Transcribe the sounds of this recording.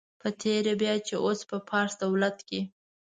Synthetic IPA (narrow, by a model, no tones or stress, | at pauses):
pət̪ʰeɾebjɑt͡ʃeʔospəpʰɑɾsd̪awlat̪ki